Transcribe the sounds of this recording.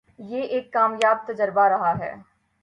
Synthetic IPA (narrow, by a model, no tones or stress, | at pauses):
jeːʔeːkːaːmjaːb̚t̪əd͡ʒəɾbaɾɐɦaɦɛ̰ː